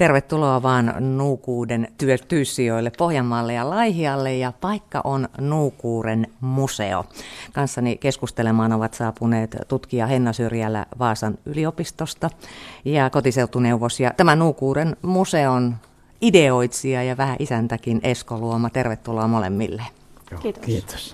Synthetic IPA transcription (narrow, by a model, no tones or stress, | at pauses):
t̪erʋet̪ːuloɑʋɑːnnuːkuːdent̪yøt̪yːsːioilːeppohjɑmːɑːlːejɑlɑihiɑlːejjɑpɑikːɑ̰ʔonnuːkuːrenmusḛo̰kɑnsːɑnikeskust̪elemɑːnoʋɑt̪sɑːpuneːt̪t̪ut̪kiɑhenːɑsyrjælːæ̰ʋɑːsɑnyliopist̪ost̪ɑjɑkot̪iseut̪ːuneuʋosjɑ̰t̪æmænuːkuːɾenmuseon | ideoit̪siɑjɑʋæhæʔisænt̪ækineskoluomɑt̪erʋet̪ːuloɑmolḛmːḭlːe | kiːt̪o̥s